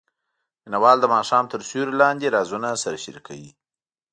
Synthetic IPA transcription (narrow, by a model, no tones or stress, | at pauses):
mɪnawɑld̪əmɑʃɑmt̪əɾsuɾlɑnd̪eɾɑzunasaɾʃɪɾikʰa̰wḭ